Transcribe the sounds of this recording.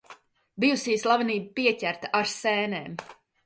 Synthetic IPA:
bijusiːslˠaviniːbəpiɛcʲæɾt̪aʔaɾsɛːneːm

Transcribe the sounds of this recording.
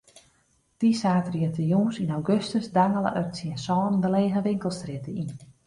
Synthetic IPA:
d̥isaːtriətəjuːnsinawɡøstəsdaŋələ̰ʔœtsiənsɔːnndəleːɣəʋɪŋkəlˠstrɪtəin

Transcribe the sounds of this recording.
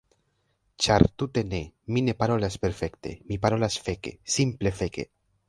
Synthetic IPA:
t͡ʃaɾtute̞ne̞mine̞paɾo̞laspe̞ɾfe̞kte̞̰mipaɾo̞lasfe̞ke̞̰simple̞fe̞ke̞̰

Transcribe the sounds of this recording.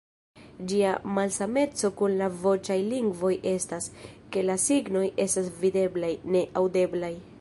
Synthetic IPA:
d͡ʒiamalsame̞t͡so̞kunlavo̞t͡ʃajliŋɡvo̞jʔe̞staske̞lasiɡno̞je̞stasvide̞blajne̞ʔawde̞blaj

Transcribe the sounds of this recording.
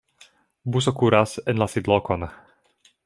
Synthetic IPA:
bus̬okuɾasɛnlasid̪lɔkon

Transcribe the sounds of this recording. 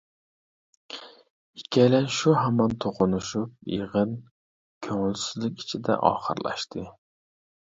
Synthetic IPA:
ikʲʰːɛlɛnʃuɦɑmɑnt̪ʰoqʊnuʃup̚jḛʁɨn | kʲʰøŋɪlsɪzlɪkʲi̥t͡ʃʰid̪ɛ̰ʔɑ̰ːχə̰ɾlˠɑ̰ʃt̪ʰɨ

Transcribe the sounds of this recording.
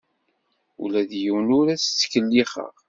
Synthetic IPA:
ṵlæðjəwnʊɾæt͡st͡sːkəlːiχə̰ʁ

